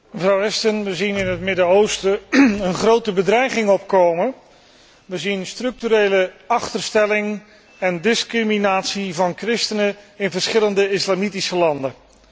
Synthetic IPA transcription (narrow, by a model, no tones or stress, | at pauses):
məvrɑwɛstənʋəzinɪnɦətmɪdəowstəənχrowtəbədrɛjχɪŋɔpkowmə | ʋəzinstrɵk̚tyɾejləɑχtəɹstɛlɪŋ | ɛndɪskriminaːtsivɑnkrɪstənəɪnvəɹsχɪləndəɪslaːmitisəlɑndə